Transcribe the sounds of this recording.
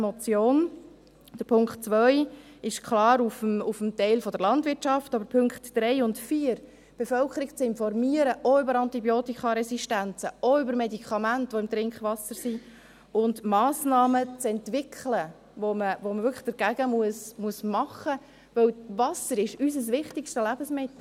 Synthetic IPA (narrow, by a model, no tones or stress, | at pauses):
mɔt͡sjoːn | d̥əɾpʰʊŋkχtt͡sʋœʏɪʃkʰlɑːɾufmufəmtɛɪlfɔdəɾlɑndʋɪtʃɑftɑbəɾpʰʏŋktd̥ɾɛɪʊntfiːəɾ | b̥efœlkχəɾiɡt͡sɪnfɔrmiəɾəʔɔʏbəɾɑntibjoːtikχɑɾɛsiʃtænt͡səɔʏbəɾmedikʰɑmæntʋoɪmt̪ɾɪŋkχʋɑsəɾsi | ʊndmɑːsnɑːmət͡sɛntʋɪkʰlə | voməvoməʋʏkʰlə̥χd̥əɾɡ̥æɡəmuəsmuəsmɑχə | ʋɵwvɑsəɾɪʃys̬əs̬ʋɪχtɪkʃtəlæb̥əsmɪt̪l̩